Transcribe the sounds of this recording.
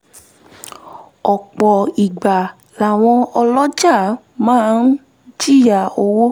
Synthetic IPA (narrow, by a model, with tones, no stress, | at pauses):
ɔ˨k͡pɔ˨i˨ɡ͡ba˨ | la˨w̃ɔ̃˧ɔ˧lɔ˦d͡ʒa˦˨ | mãː˦˧n̩˦ | d͡ʒi˦˨ja˦˨o˧wo˦